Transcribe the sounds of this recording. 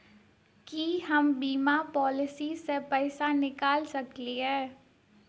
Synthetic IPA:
kiɦɐmbiːmapɔːlɪsisepɛːsanɪkaːlsɐkliɦɛː

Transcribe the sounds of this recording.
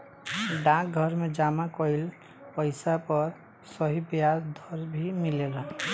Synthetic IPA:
ɖãk̚ɡʱʌɾmed͡ʒamakɔil | pʌjsapʌɾ | sʌɦibjasd̪ʱʌɾbʱimilelʌ

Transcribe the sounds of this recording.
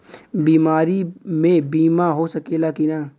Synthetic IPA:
biːmaːɾimẽbiːmaɦosɐkelakina

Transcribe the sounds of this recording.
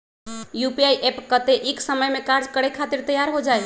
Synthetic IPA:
jupiaiʔepkət̪eʔiksəməjmekaɾd͡ʒkəɽekʰat̪iɾt̪əjːaɾɦod͡ʒaj

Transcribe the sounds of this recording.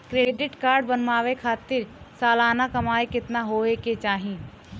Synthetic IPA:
kɾeːɖɪʈkaːɾɖbɐnmaːʋekʰaːt̪ɪɾsaːlaːnakɐmaːekɪt̪naɦoːeket͡ʃaːɦĩ

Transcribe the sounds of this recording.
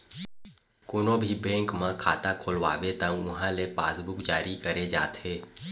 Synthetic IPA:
koːnobʱibɛ̃ːŋkmãkʰaːt̪akʰoːlʋa̰ːʋet̪ãʊɦãlepaːsbʊkd͡ʒaːɾikəɾed͡ʒaːt̪eː

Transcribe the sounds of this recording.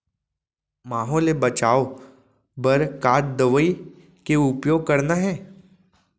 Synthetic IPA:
maːɦɔːlebɐt͡ʃaːo | bɐɾkaːʈ̚d̪əʋəi | keʊpjoːɡ̚kɐɾnaɦɛː

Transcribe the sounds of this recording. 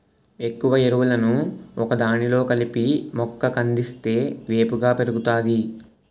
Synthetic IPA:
e̞kːuʋɐeɾuʋulɐnuɔkɐd̪aːnilo̞ːkɐlipimɔkːɐkɐnd̪ist̪e̞ːʋe̞ːpuɡaːpe̞ɾuɡut̪aːd̪i

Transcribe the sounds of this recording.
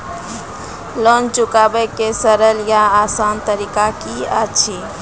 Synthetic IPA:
lɔnt͡ʃukabəkesəɾəljaasant̪əɾikakiət͡ʃʰi

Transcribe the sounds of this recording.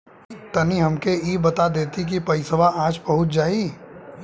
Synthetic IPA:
t̪ɐniɦɐmkeiːbɐt̪ad̪eːt̪ik̬ipɐɪsəʋaaːd͡ʒbɐɦʊt̪̚d͡ʒaːiː

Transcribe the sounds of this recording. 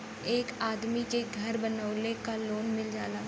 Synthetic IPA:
eːkaːd̪mikeɡʱɐɾbənəʊlekaloːnmɪld͡ʒaːlaː

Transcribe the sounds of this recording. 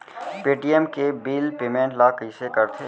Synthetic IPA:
peːʈiːɛmkebiːlpeːmẽːɳʈlaːkisekəɾt̪ʰe

